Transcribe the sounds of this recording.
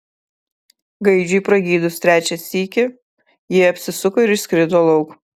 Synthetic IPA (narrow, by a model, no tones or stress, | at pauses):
ɡɐɪd͡ʒʲʊipɾɐɡʲiːd̪ʊst̪ʲɾʲæːt͡ʃʲɛsʲiːkʲɪ | jiɛɐpʲsʲɪsʊkoɪɾɪʃsʲkɾʲɪd̪oːlˠɒʊk